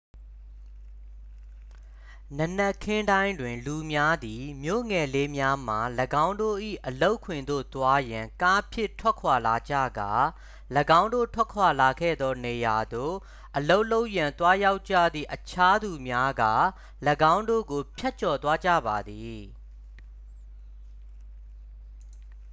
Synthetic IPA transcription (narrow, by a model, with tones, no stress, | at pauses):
nə˨nɛ˦kʰɪ̃˦ndã˦ɪ̃ndwɪ̃˨nlu˨mja˦d̪i˨mjo̰˦˨ŋɛ˨le˦mja˦m̥a˨ləɡã˦ʊ̃ndo̰˦˨ʔḭ˦˨ʔəlo˦ʊʔkʰwɪ̃˨nd̪o̰˦˨t̪wa˦jã˨ŋka˦pʰjɪ˦˨tʰw̥ɛ˦ʔkʰwa˨la˨d͡ʑa̰˦˨ɡa˨ | ləɡã˦ʊ̃ndo̰˦˨tʰwɛ˦kʰwa˨la˨ɡɛ̰˦˨d̪ɔ˦ne˨ja˨d̪o̰˦˨ | ʔəlo˦ʊʔlo˦ʊʔjã˨nt̪wa˦ja˦ʊt͡ɕä̰˦˨d̪ðḭ˦˨ʔət͡ɕʰa˦d̪u˨mja˦ɡa̰˦˨ | ləɡã˦ʊ̃ndo̰˦˨ɡo˨pʰja˦t̚t͡ɕɔ˨t̪wa˦d͡ʑä̰˦˨ba˨d̪i˨